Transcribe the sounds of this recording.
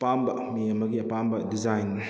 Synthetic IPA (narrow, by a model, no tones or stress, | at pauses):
pambɐ | miɐmɐɡiɐpambɐdid͡ʒajn